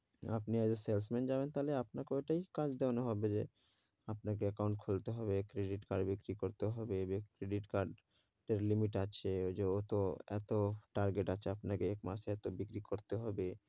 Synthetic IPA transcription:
a̰pniad͡ʑesels̬mend͡ʑabent̪aleapnakeoeʈajkad͡ʑd̪ewanoɦɔbed͡ʑe | apnak̬eɛkawɳʈ̚kʰolt̪eɦɔbekɾeɖiʈkaɾɖbikɾikoɾt̪eɦɔbebekɾeɖiʈkaɾɖ | ɖeɾlimiʈat͡ɕʰeod͡ʑeot̪oɛ̰t̪oʈaɾɡeʈat͡ɕʰeapnakeɛkmaʃɛt̪obikɾikoɾt̪eɦɔbe

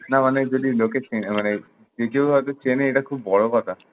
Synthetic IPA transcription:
namaned͡ʒod̪iloket͡ʃenmane | d͡ʒekewɦɔjt̪ot͡ʃeneeʈakʰubːɔɭokɔt̪ʰa

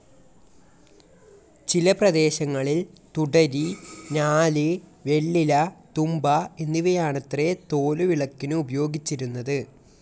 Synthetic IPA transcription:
t͡ɕilɐprɐd̪e̞ːɕɐŋːɐɭilt̪uɽɐɾinaːliʋe̞ɭːilɐt̪umbɐe̞nːiʋɐjaːɳɐt̪ret̪o̞ːluʋiɭɐkːinɨubɐjo̞ːɡit͡ɕːiɾunːɐðɨ

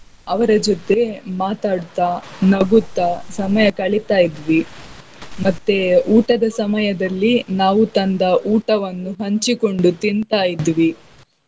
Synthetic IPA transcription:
ɐʋɐɾɐd͡ʒot̪e̞maːt̪aːɽt̪anɐɡut̪ːɐsɐmɐjɐkɐɭit̪aːjid̪ʋi | mɐt̪ːeuːʈɐd̪ɐsɐmɐjɐd̪ɐlːinaːʋut̪ɐnd̪ɐʔuːʈɐʋɐnːuɦɐɲt͡ʃiko̞ɳɖut̪int̪aːjid̪ʋi

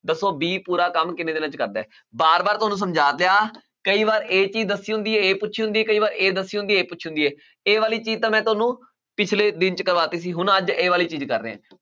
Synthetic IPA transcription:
d̪əsːoːbiːpuːɾaːkəmkɪneːd̪eːnə̃t͡ʃkəɾd̪a̰ːɛː | baːɾbaːɾt̪ʊɦaːnũːsəmd͡ʒaːt̪leaː | kəiːβaːɾeːt͡ʃiːzd̪əsiːɦʊ̃nd̪iːɛeːpʊʃʰiɦʊ̃nd̪iːɛːkəiːbaːɾeːd̪əsːiːʊ̃nd̪ieːpʊt͡ʃʰɦʊ̃nd̪iːɛː | eːʋaːliːt͡ʃiːzt̪ãːmɛ̃ːt̪ʊaːnũː | pɪt͡ʃʰleːd̪ɪnt͡ʃkəɾʋaːt̪eːsiːɦʊnəd͡ʒeːʋaːliːt͡ʃiːzkəɾːḛːɦɛ̰̃ː

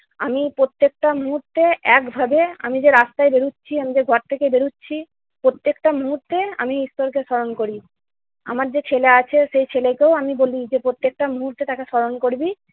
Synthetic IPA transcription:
amipɾot̪ːek̚ʈamuɦuɾt̪ːeɛkbʱabea̰mid͡ʑeɾast̪aebeɾutːɕʰiamid͡ʑeɡʱɔɾt̪ʰekebeɾutːɕʰi | pɾot̪ːekʈamuɦuɾt̪ːea̰miist̪oɾkeʃɔɾonkoɾi | a̰maɾd͡ʑet͡ɕʰeleat͡ɕʰeʃejt͡ɕʰelekeoamibolid͡ʑepɾot̪ːek̚ʈamuɦuɾt̪ːet̪akeʃɔɾonkoɾbi

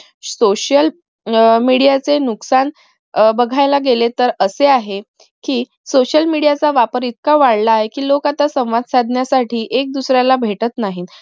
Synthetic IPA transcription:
soɕjəl | miɽijat͡senuksan | bəɡʱajlaɡelet̪əɾəseaɦe | kiː | soɕəlmiɽijat͡saʋapəɾit̪̚kaʋaɽlaːɦekiːlokat̪asə̃w̃ʋad̪sad̪ʱnjasaʈʰiːʔek̚d̪usɾjalabʱeʈət̪naɦiːn

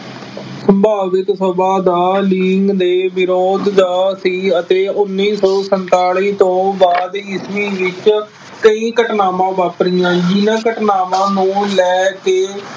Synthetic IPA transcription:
səmbaːʋɪk̪səbaːd̪aːliːŋɡd̪eːʋɪɾoːd̪d̪aːsiːət̪eːʊnːiːsɔːsənt̪aːliːt̪õːbaːd̪ɪsmĩːʋɪt͡ʃ | kəĩːkəʈnaːmãːʋaːpɾijãːd͡ʒɪnãːkəʈnaːmãːnũːlɛːkeː

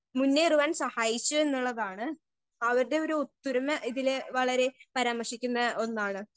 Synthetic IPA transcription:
munːeiruʋaːnsɐhaːjit͡ɕːue̞nːuɭːɐðaːɳɨ | ɐʋɐɾuɽe̞o̞ɾuot̪ːuɾɐmɐʔiðileʋɐɭɐɾe̞pɐɾaːmɐrʂikʲːunːɐo̞nːaːɳɨ

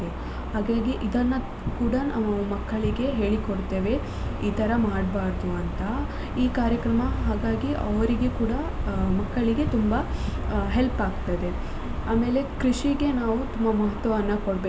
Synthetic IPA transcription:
e | haːɡaːɡiʔid̪ɐnːɐ | kuːɽɐnaʋumɐkːɐɭiɡe̞ɦe̞ːɭikoɽt̪e̞ːʋe̞ | iːt̪ɐɾɐmaːɽbaːɾd̪uɐnt̪ɐ | iːkaːɾjɐkɾɐmɐɦaːɡaːɡiʔɐʋɐɾiɡekuːɽɐ | mɐkːɐɭiɡe̞t̪umbɐɦelpaːɡt̪ɐd̪e̞ | aːme̞ːle̞kɾiʂiɡe̞naːʋut̪umbɐmɐɦɐt̪ʋɐʋɐnːɐkoɽbeː

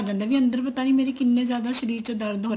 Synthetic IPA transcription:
d͡ʒə̃ːnd̪aːʋiːənd̪əɾpət̪aːniːmeːɾekɪnːẽːzjaːd̪aːʃəɾiːɾt͡ʃəd̪əɾd̪

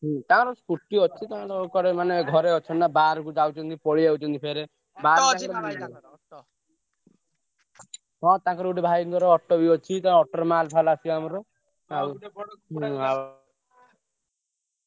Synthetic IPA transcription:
ɦɔ̃t̪ãɾɔskuʈːiɔt͡ʃʰit̪ãɾɔkɔɾemaneɡʱɔɾeɔt͡ʃʰɔnnabaɾɔkud͡ʒawt͡ʃʰɔnt̪ipɔɭiawt͡ʃʰɔnt̪ipʰeɾe | baɾãɔɾ | tɔ | ɦɔ̃t̪ãŋkɔɾuʈibʱajnt̪ɔɾɔɔʈːɔbiɔt͡ʃʰit̪ãɔʈɔɾmalpʰalasiamɔɾɔ | aɦa

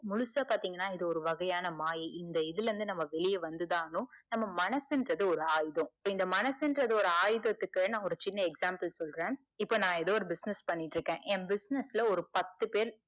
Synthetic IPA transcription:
mʊɻʊsɐpaːɾt̪iːŋɡɐnːaːɪðɯɔɾɯʋɐɣɐjaːnɐmaːjiʔɪnd̪ɐɪðɯlɾɯnd̪ɯnɐmːɐʋɛɭɪjɐʋɐnd̪ɯðaːnʊ̃nɐmːɐmɐnɐsɛndɾɐðɯɔɾɯaːjðõɪpːoːɪnd̪ɐmɐnɐsɛndɾɐðɯɔɾɯaːjðɐt̪ːɯkːɯnãːɔɾɯt͡ʃɪnːɐɛksaːmpɐlsɔlɾẽːn | ɪpːoːnãːɛðoːɔɾɯbɪsnɛspɐnːɪʈːɾɯkːẽːʔɛmbɪsnɛslɐɔɾɯpɐt̪ːɯpeːɾ

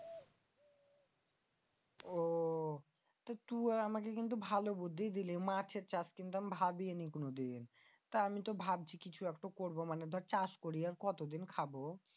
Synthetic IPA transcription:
o | t̪at̪uaamak̬ekint̪̬ubʱalobud̪ʱːid̪ilimat͡ɕʰeɾt͡ɕaskint̪uamibʱabienikonod̪in | t̪aamit̪obʱab̚t͡ɕʰikit͡ɕʰuɛkʈokoɾbomaned̪ʱɔaɾt͡ɕaskoɾiaɾkɔt̪od̪inkʰabo

